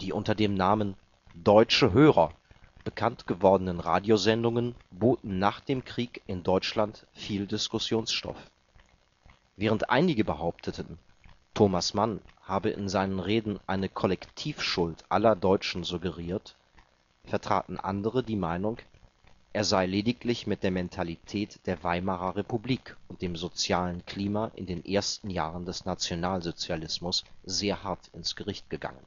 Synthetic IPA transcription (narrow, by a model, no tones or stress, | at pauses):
d̥iːʔʊntɐdeːmnaːmən | dɔʏt͡ʃəɦøːʁɐ | b̥əkʰantɡ̥əvɔɐdənənʁa̰ːdjozɛndʊŋənboːtn̩naːχd̥eːmkʁ̥iːkʔɪndɔʏt͡ʃlant | fiːldɪskʊsjoːnsʃtɔ̰f | vɛːʁ̞əntʔa̰ɪnɪɡəbəɦaʊp̚tʰətən̩ | tʰoːmasmanhaːbəʔɪ̰nzaɪnənʁeːdn̩ʔaɪnəkʰɔlɛktʰiːfʃʊltʔa̰lɐdɔʏt͡ʃn̩zuɡəʁiːɐt | fɛɐtʁ̥a̰ːtn̩ʔa̰ndəʁ̞ədiːmaɪnʊŋ | ʔeːɐzaɪleːdɪɡtlɪçmɪt̚d̥eːɐmɛntʰalitʰɛːtd̥eːɐvaɪmaʁɐʁepubliːkʊnt̚d̥eːmzot͡sjaːlənkʰl̥iːmaʔɪ̰ndeːnʔeːɐstn̩jaːʁəndɛsnat͡sjonaːlzot͡sjalɪsmʊsz̥eːɐɦaɐtɪnsɡ̥əʁɪçt̚ɡ̥əɡa̰ŋən